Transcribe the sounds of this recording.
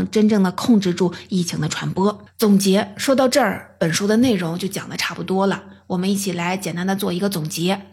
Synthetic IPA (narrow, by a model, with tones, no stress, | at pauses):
ŋʈ͡ʂə˥nʈ͡ʂɤ˥˩ŋd̪ə˩kʰʊ˥˧ŋʈ͡ʂɻ̩˥˧ʈ͡ʂu˥˧i˥˩t͡ɕʰi˧˥ŋd̪ə˧ʈ͡ʂʰwa˧˥npwɔ˥ | t͡sʊ˨˩ŋt͡ɕjɛ˧˥ʂwɔ˥t̪ɑ˥˧ʊʈ͡ʂɤ˥˩pə˨˩nʂu˥d̪ə˧ne˥˩ɪɻʊ˧˥ŋt͡ɕjo˥˩ʊt͡ɕjɑ̰˨˩ŋd̪ə˦ʈ͡ʂʰa˥˩pu˨˩t̪wɔ˥lə˨wɔ˨˩mə˦ni˥˩t͡ɕʰi˨˩la˧˥ɪt͡ɕjɛ˨˩nt̪a˥nd̪ə˧t͡swɔ˥˩i˧˥ɡə˧t͡sʊ˨˩ŋt͡ɕjɛ˧˥